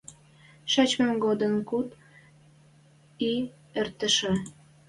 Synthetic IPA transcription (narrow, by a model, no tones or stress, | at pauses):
ʃɑt͡ɕmɑmɡod̪ənkut̪ | i | ert̪ə̆ʃə̆